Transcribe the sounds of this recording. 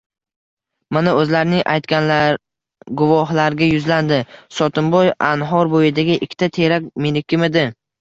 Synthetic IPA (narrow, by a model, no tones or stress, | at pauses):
manaɵzlaɾnɪŋʔa̰jt̪kʲanlaɾ | ɡʊvɒɦlaɾɡʲajʊzland̪ɪsɒt̪ʰʊmbɒjanɦɒɾbojɪd̪aɡʲɪʔɪkʲʰːt̪ʰat̪ʰeɾak̚ʲmilɪkʲʰːɪmɪd̪ɪ